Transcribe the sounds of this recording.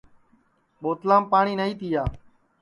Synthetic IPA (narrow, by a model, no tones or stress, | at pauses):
ɓoːt̪laːmpaːɳiːnəĩːt̪iːjaː